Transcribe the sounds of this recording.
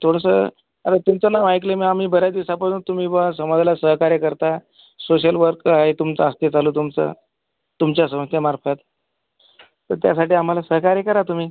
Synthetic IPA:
t̪ʰoɽəsə | əɾet̪umt͡sənaʋajklemiam̤iːbəɾjad̪iʋsapəɽunt̪um̤iːbəsəməd͡zlasəɦkaɾekəɾt̪a | soɕ̬əlʋəɾkaet̪umt͡səast̪ed͡zʱalut̪umt͡sə̰ | t̪umt͡ɕjas̬əməst̪jəmaɾfət̪̚ | t̪əɾt̪ja̰saʈiːam̤alasəɦkaɾjekəɾat̪um̤iː

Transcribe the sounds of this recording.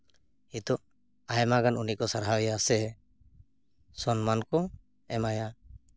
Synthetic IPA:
it̪ɔ | ajɛmaɡanunikɔsaɾɦawɛjasɛ | sɔnmankɔ | ɛmaja

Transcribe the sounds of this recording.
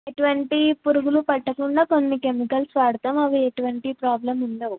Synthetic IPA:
eʈuʋɐɳʈipuɾuɡulupɐʈːɐkuɳɖaːko̞nːike̞mikɐlsʋaːɽut̪aːmɐʋieʈuʋɐɳʈipɾaːblemunɖɐːʋu

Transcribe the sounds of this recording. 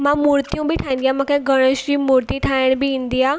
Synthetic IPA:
mãmuːɾt̪ijũbɪʈʰaːɪ̃n̆d̪ijaːmũkʰeɡʱɐɽ̃əʃɾimuːɾt̪iʈʰaːɪɽ̃bɪʋĩːn̆d̪iaː

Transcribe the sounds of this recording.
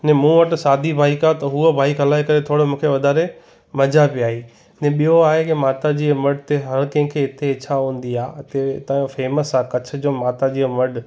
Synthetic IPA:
nẽmũːʋəʈ̆saːd̪ʱibʱaːikat̪ɐɦuəbʱaːikɐlaːikɐɾet̪ʰoːɽomũːkʰeʋɐd̪ʱaːɾe | mɐd͡ʑapiaːɦiː | nẽɓijoaːɦekɪmaːt̪ad͡ʑiːmɐɖt̪eɦɐɾkɐ̃ɪ̃kʰeɪt̪ʰeɪt͡ɕʰaɦũːn̆d̪iaːɪt̪et̪ãːofeːməsaːkɐt͡ɕʰʊ̆d͡ʑoːmaːt̪ad͡ʑiːmɐɖ

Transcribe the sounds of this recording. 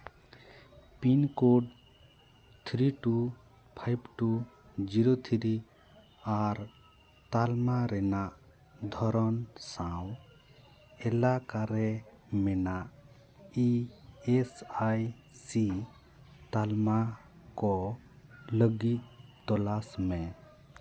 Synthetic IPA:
pinkoɖ | t̪ʰɾiʈu | pʰajbʈu | d͡ʒiɾot̪ʰiɾi | aɾ | t̪almaɾɛnaʔ | d̪ʱɔɾɔnsãw | ɛlakaɾɛ | mɛnaʔ | iɛsaj | si | t̪alma | kɔ | ləɡit̪̚t̪ɔlasmɛ

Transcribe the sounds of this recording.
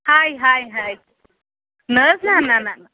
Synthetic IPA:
hajɦajɦaj | nəznananana

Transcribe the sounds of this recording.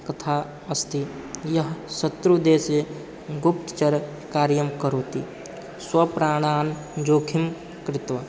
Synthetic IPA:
kɐt̪ʰaː | ɐst̪ʰi | jɐɦsɐt̪ɾud̪eːse | ɡʊp̚t̪t͡ʃɐɾ | kaːɾjəmkɐɾoːt̪ḭ | swɐpɾaːɽ̃aːn | d͡ʒoːkʰɪm | kɾɪt̪ʋə

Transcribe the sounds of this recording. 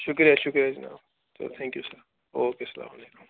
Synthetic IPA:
ʃʊkɾijaʃʊkɾijad͡ʒina̰ːw | t̪o̰t̪ʰɛ̃ŋkjuːsə | oːkesɐla̰ːmaleːku

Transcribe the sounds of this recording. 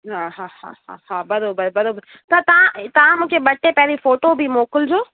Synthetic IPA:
ɦãːɦãːhã̰ɦã̰hãːbɐɾoːbəɾbɐɾoːbəɾ | t̪ɐt̪ɐʋãt̪ɐʋãmũːkʰebɐʈːepɛɾifoːʈobʱimoːkəld͡ʑoː

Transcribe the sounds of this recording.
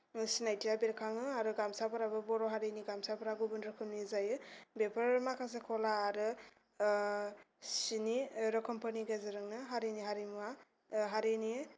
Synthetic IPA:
sinajtiabeɾkʰaŋɯaɾɯɡamsapaɾabɯbɔɾɔɦaɾeniɡamsapaɾaɡubɯnɾɔkʰɯmnizajɯbepʰaɾmakʰas̬ekʰɔlaːɾɯ | siniɾɔkʰɯmpʰɯɾniɡezeɾɯŋnɯɦaɾeniɦaɾimwa | ɦaɾeni

